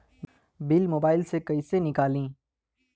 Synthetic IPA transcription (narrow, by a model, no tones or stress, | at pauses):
bɪlmoːbaːɪlsekɐisenɪkaːlĩː